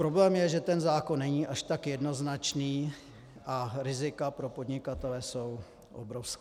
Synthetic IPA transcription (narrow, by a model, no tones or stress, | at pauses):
pɾo̞blɛːmjɛʒɛt̪ɛnzaːko̞nːɛɲiːʔaʃt̪akjɛdno̞znat͡ʃniː | ʔaɾɪzɪkapɾo̞po̞dɲɪkat̪ɛlɛːso̞w | ʔo̰bɾofskː